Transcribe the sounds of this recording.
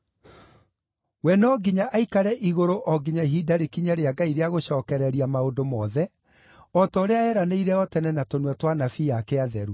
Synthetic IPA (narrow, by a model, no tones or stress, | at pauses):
wɛnɔɡiɲaʔaikaɾɛʔiɣoɾoʔɔɡiɲaiɦidaɾekiɲaɾeaɡaiɾeaɣoɕɔːkɛɾɛɾiamaondomɔðɛ | ɔtɔɾeaɛɾaneiɾɛɔtɛnɛnatonwɛtwanafiakɛaðɛɾu